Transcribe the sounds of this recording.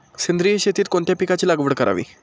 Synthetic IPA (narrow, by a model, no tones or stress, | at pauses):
sind̪ɾijəɕet̪iːt̪̚koɳt̪japikat͡ɕiːlaɡʋəɽkəɾa̰ʋḭː